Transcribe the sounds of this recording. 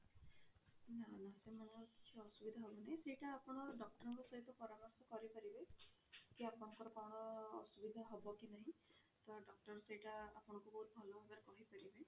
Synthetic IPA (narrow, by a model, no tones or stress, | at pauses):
nanasemanɔkit͡ʃʰiɔsubid̪ʱaɦɔbɔnaɦĩsejʈaːpɔnɔɾɖɔk̚ʈɔɾɔŋkusɔɦit̪ɔpɔɾamɔɾsɔkɔɾipaɾibe | kiapɔnɔŋkɔɾɔkawɽɔ̰ːsubid̪ʱaɦɔbɔkinaɦĩ | t̪ɔɖɔk̚ʈɔɾseɦjʈaapɔɽ̃ɔkubɔɦut̪̚bʱɔlɔbabaɾekɔɦipaɾibe